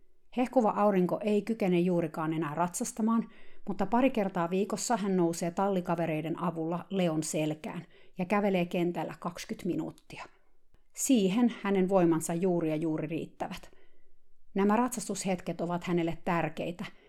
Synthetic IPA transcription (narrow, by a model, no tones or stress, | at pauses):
hehkuʋɑʔɑuɾiŋkoʔe̞ikykenejjuːɾikɑːnenæːrɑt̪sɑst̪ɑmɑːnmut̪ːɑpɑɾike̞rt̪ɑːʋiːkosːɑɦænnouseːt̪ɑlːikɑʋe̞ɾe̞jdenɑʋulːɑleonselkæ̰ːnjɑkæʋe̞leːkent̪ælːæ̰kɑkskyt̪minṵːt̪ːiɑ | siːɦenhænenʋojmɑnsɑjjuːɾiɑjuːɾirḭːt̪ːæʋæt̪ | næmærɑt̪sɑst̪ushet̪ket̪oʋɑt̪hænelːet̪ːærkḛjt̪æ